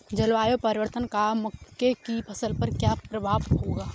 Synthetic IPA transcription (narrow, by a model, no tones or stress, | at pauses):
d͡ʒɐlʋaːjopəɾɪʋəɾt̪ənkamʊkːekipʰəsəlpɐɾkjapɾɐbʱaːʋɦoːɡaː